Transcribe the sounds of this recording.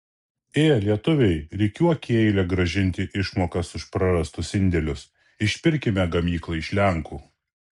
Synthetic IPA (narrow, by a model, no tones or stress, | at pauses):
eːlʲiɛt̪ʊʋʲɛɪɾʲɛɪkʲuɔkʲːɛɪlʲɛɡɾɐʒʲɪnʲt̪ʲɪʔɪʃmoːkɐsʊʃpɾɐɾɐst̪ʊsɪnʲd̪ʲɛlʲʊs | ɪʃʲpʲɪɾʲkʲɪmʲɛɡɐmʲiːklˠɐɪʃʲlʲɛŋkuː